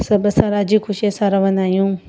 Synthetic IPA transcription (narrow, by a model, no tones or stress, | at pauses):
sɐbɐsãɾaːd͡ʑiːkʰʊʃiesãɾɐʋənaːɦjũː